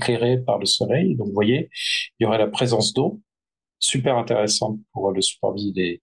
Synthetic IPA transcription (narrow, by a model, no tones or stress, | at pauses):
kleʁepaʁləsɔlɛjd̪ɔ̃kvwajeiljoʁɛlapχezɑ̃sd̪o | sypɛʁɛ̃t̪eʁesɑ̃t̪̚puʁləsy̥pɔ̰ʁvile